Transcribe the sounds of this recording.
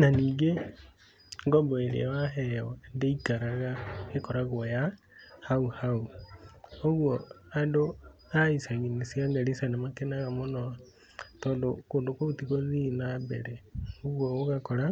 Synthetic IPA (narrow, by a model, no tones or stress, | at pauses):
naniːŋɡe | ŋɡɔbɔeɾḭawaɦɛɔdeikaɾaɣaekɔɾaɣoja | hauhau | oɣwɔadoaisaɣinesiaŋɡaɾisanamakenaɣamonɔ | tɔːndokoːndokoutiɣoðinabɛ̰ɾɛoɣwɔoɣakɔɾa